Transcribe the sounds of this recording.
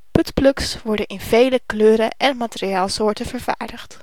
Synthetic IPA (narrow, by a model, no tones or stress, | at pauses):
pɵtplɵksʋɔɹdənɪnvejləkløːɾəʔɛnmaːteɾiaːlˠsʊːɹtəvəɹva̰ːɹdəχt